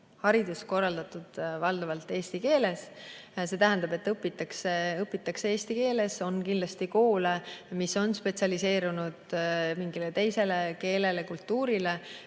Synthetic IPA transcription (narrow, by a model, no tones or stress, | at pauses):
hɑɾid̪usko̞rːɑld̪̥ɑt̪ːˑud̪̥vɑld̪̥ɑvɑlt̪ːˑeːst̪ike̞ːle̞sse̞t̪æɦæ̃nd̪ɑbe̞t̪ːɤpːit̪ːˑɑkseɤpːˑit̪ːˑɑkseeːst̪ike̞ːle̞so̞nkindlɑst̪iko̞ːlemiso̞nspe̞t̪siɑlise̞ːɾunud̪̥miŋɡilet̪e̞jse̞le̞ke̞ːle̞le̞kult̪ːuːɾile̞